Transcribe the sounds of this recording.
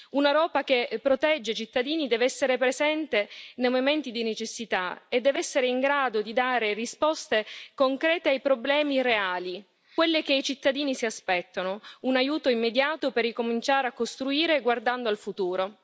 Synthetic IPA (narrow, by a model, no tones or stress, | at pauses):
unaɾɔːpakepːɾot̪ɛd͡ʒːet͡ʃit̪ːad̪iːnid̪ɛːveɛsːeɾepɾezɛnt̪enejmoviment̪id̪inet͡ʃesːit̪aed̪ːɛːvɛsːeɾeiŋɡɾaːd̪od̪id̪aːɾerispɔst̪ekoŋkɾɛːt̪eajpɾoblɛːmireaːli | kwelːek̟eit͡ʃit̪ːad̪iːnisiaspɛt̪ːonounajuːt̪oimːed̪jaːt̪operːikomint͡ʃaːɾeakːost̪ɾuiːɾeɡward̪and̪oalfut̪uːɾo